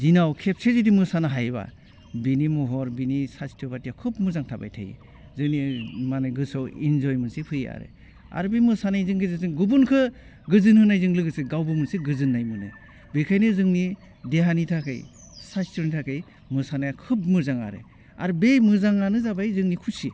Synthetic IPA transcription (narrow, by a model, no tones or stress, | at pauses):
zinawkʰep̚sʰezidimɯsanaɦajba̰ | binimɔɦɔɾbinisasi̥tʰɯbatijakʰɯp̚mɯzaŋtʰaba̰jtʰa̰j̰ | zɯŋnimanɯjɡɯsɔwḭnzɔjmɯnsepʰɯja̰ɾḛ | a̰ɾbejmɯsanajzɯŋkʰezazɯŋɡubunkʰɯ | ɡɯzɯnhɯnajzɯŋlɯɡɯsɯɡawbɯmɯnseɡɯzɯnːajmɯnɯ̰ | bɯjkʰajnɯzɯŋni | deɦanitʰakʰɯ̰j | sastʰɔɾnitʰakʰɯj | mɯsanajakʰɯp̚mɯzaŋa̰ɾḛ | a̰ɾbejmɯzaŋanɯzabajzɯŋnikʰusi